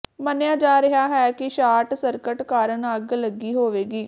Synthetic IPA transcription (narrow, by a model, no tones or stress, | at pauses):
mənɪjaːd͡ʒaːɾɪɦaːɦɛːkɪʃaːʈsəɾkəʈkaːɾənəɡləɡiːɦoːʋeːɡiː